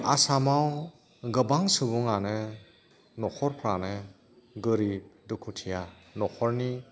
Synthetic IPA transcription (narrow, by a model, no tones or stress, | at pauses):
a̰samaw | ɡɯbaŋsɯbuŋanɯ | nɔkʰɔɾpʰɾanɯ | ɡɯɾib̚dukʰutʰijanɔkʰɔɾni